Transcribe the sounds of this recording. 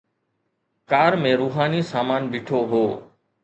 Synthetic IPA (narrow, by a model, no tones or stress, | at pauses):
kaːɾmẽːɾuːɦaːnisaːmaːnbɪʈʰoɦoː